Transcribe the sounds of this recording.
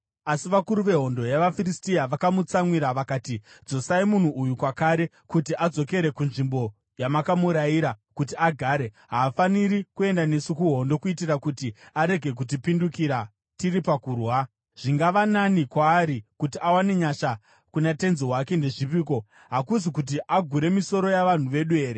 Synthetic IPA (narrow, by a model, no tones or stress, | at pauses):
asiʋakuɾuʋe̞ɦo̞ndojaʋafiristijaʋakamut͡samwiɾaʋakaːtid͡zo̞saimun̤uʔujukwakaɾe̞ | kutiʔad͡zo̞ke̞ɾe̞kunʐimbo̞ | jamakamuɾajiɾakut̬iaɡʱaːɾe̞ | ɦaːfaniɾikue̞ndane̞sikuɦo̞ndo̞kuitirakutiaɾe̞ɡʱe̞k̬utipindukiɾa | tiɾipakuːrwa | ʐ̥iŋɡaʋananikwaːɾikutiawane̞ɲaʃa | kunate̞nziwake̞nde̞ʐip̬iːko̞ | ɦakusikut̬iʔaɡʱuɾe̞miso̞ɾo̞jaʋan̤uʋe̞ɗue̞ːɾe